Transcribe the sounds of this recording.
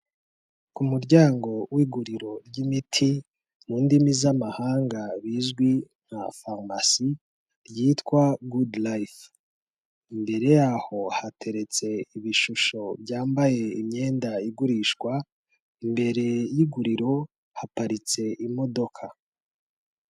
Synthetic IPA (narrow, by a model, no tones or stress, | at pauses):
kumuɾɟaːŋɡo̞wiɡuɾiɾo̞ɾɟimitʰi | n̥uːndimizamahaːŋɡaβizɡwin̥ha̰famasi | ɾjiːtkwaɡudlajf | imbe̞ɾe̞jaho̞hatʰe̞ɾe̞t͡se̞iβiʃuʃo̞bɟaːmbaje̞imɲe̞ːndaiɡuɾiːʃɡwa | imbe̞ɾe̞jiɡuɾiɾo̞ | hapaɾit͡se̞ʔimo̞do̞kʰa